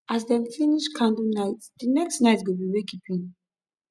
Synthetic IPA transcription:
azd̪ɛmfʰiniʃkʰãnd̪unajt̪d̪̥inɛksnajt̪ʰɡubiwɛkipʰin

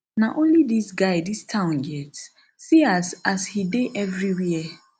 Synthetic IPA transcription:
nãʔõnlidisɡaɪdistʰãʊ̃nɡɛt | siasashideʔɛvɹiwiə

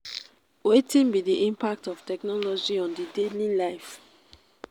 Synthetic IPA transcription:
wetĩnbidiʔĩmpak̚tɔftɛknɔlɔd͡ʒiɔ̃ndidelilaɪf

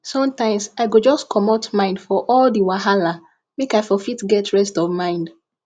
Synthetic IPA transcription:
sɔ̃mtãɪ̃msaɪɡod͡ʒɔskʰɔmotmãɪ̃ndfɔʔɔldiwaɦala | mekaɪfɔfitɡɛtʰɹɛstɔvmãɪ̃nd

